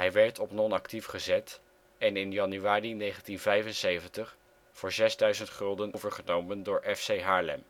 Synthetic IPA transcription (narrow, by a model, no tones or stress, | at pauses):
ɦɛjʋɛɹtʰɔpnɔnɑktifχəzɛt | ɛnɪnjɑnyaːrinejχəntinvɛjvənsejvəntəχ | v̥ʊːɹzɛzdœɥzəntχɵlˠdənowvəɹχənowməndʊːɹʔɛfsejɦaːɹlɛ̰m